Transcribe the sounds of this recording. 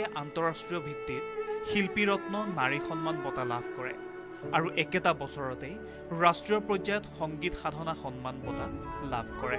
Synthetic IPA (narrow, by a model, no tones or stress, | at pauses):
ɛʔantɔɹastɹijɔbʱitːit̚xilpiɹɔtnɔnaɹixɔnmanbɔtalabʱkɔɹɛ̰ | aɹuʔɛkɛtabɔsɔɹɔtej | ɹastɹijɔpɹɔzajɔtxɔŋɡitxadʱɔnaxɔnmanbɔtalabʱkɔɹɛ